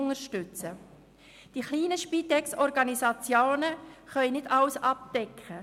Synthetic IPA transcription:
ŋəɾʃtʏt͡sə | d̥iχliːnəʃpitɛksɔɾɡɑnisɑt͡sjoːnəχœʏnɪdɑwsɑp̚d̥ɛkχə

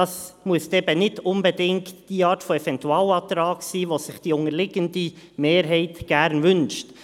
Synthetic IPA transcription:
ɑsmuəsd̥ɛːbənɪtʊnbədɪŋktd̥iːɑːɾtfoɛvɛntuɑːlɑt̪ɾɑːksiːʋosɪχd̥iːʊŋəlɪɡəndi | meːɾɦɛɪtɡ̥æɾnvʏnʃt

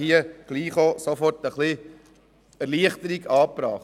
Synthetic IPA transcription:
hiəɡ̥liːχosofɔrtəχli | æɾliəχtəɾiɡɑːpɾɑːχ

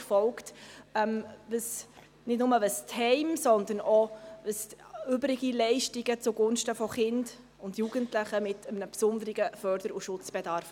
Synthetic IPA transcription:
fɔlktɛmvəs | nɪdnʊməʋəsthɛɪmsɔnd̪ənɔvəsʏbɾɪɡ̥ilɛɪʃtiɡət͡sʊɡʊnʃtəfɔχɪnd̥ | ʊndjuɡ̥əntlɪχəmɪtəmnəpsʊnd̪əɾɪɡəfœɾd̥əɾuʃʊt͡sb̥ɛdɑɾf

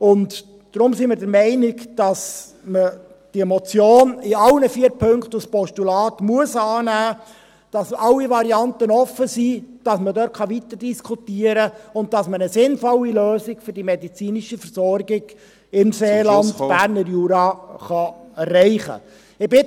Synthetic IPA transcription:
ʊnt | d̥ɾʊmsiməɾdəɾmɛɪnɪɡd̥ɑs | mə | d̥iɛmɔt͡sjoːnɪɑlnəfiːəɾpʰɵŋktuspɔʃtulɑːtmuəsɑːnæː | d̥ɑsɑlːiʋɑɾiɑntənɔfəsiːd̥ɑsmədœɾtχɑʋit̪əɾd̥iskʰutiːəɾəʊnt̚tɑsmənəsɪnfɔlːiløːsɪɡ̥fʏɾdimɛdit͡siːniʃəfəɾsɔrɡɪɡ̥ | ɪmseːlɑndb̥æːɾnəɾjuːɾɑχɑɛrːɛɪχə̰ | ɪbɪ

